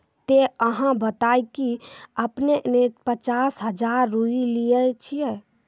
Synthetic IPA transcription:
t̪eəɦãbət̪aːikiəpneʔnet̪pət͡ʃaːsɦəd͡ʒaːɾːuiliət͡ʃʰijɛ

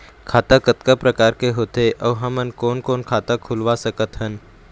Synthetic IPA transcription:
kʰaːt̪akət̪̚kapɾəkaːɾkeɦoːt̪eʔɔːɦɐmənkɔːnkɔːnkʰaːt̪akʰʊlʋasəkət̪ɦən

